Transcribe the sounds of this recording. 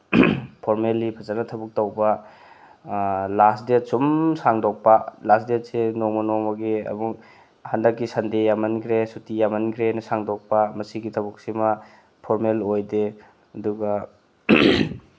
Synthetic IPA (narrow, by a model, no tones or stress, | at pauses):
pʰoɾmelːipʰɐzanɐtʰɐbuk̚tɐwbɐ | lasdesumsaŋdɔk̚pɐlasdesenoŋmɐnomɐɡiɐ̰muk̚ | handɐkːisɐndejamɐnkʰɾesutijamɐnɡʰɾenɐsaŋdok̚pɐmɐsiɡitʰɐbuk̚simɐ | pʰoɾmelojde | ɐduɡɐ